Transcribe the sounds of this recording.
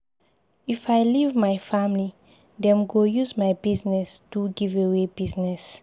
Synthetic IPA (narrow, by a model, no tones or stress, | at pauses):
ifajlivmajfãmli | dɛ̃mɡojuzmajbiznɛstuɡivewebiznɛs